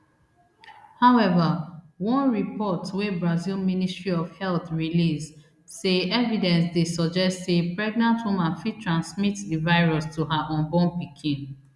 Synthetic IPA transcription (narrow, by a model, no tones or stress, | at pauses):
haʊɛvawɔ̃nɹipɔtwebɹazilministɹiɔvhɛlθɹilis | seɛvidɛ̃nsdesɔd͡ʒɛstsepɹɛɡ̚nãntwumãnfitɹãnsmitdivaɪɹɔstuɦaʔɔ̃nbɔnpikʰĩn